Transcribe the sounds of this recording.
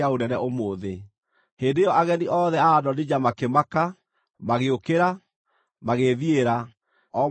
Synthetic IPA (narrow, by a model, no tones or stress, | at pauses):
aonɛnɛʔomoːðe | heːndejɔʔaɣɛniʔɔðɛaːdɔned͡ʑamakemaka | maɣeokeɾa | maɣeðieɾa | ɔ